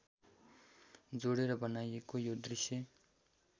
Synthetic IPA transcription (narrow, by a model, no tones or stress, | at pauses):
d͡zoɽeɾʌbʌnajekojod̪risjʌ